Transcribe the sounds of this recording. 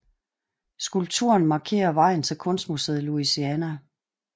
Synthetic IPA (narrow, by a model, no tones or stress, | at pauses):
sɡ̥ulb̥̚t͡sʰuɐnmɑ̈kʰe̝̰ːɐʋɑ̈ɪ̰n̩t͡sʰe̝lkʰɔ̽nsd̥museðˠluisiænæ